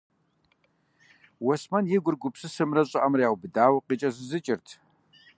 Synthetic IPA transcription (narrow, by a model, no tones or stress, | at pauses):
wɔsmɐnjɛɡʷʊrɡʷʊpsɨsɨmrɐɕʼɐʔɐmrɐjaːwʷbɨdaːwɐqiːt͡ʃʼɐzɨzɨt͡ʃʼɪrtʰ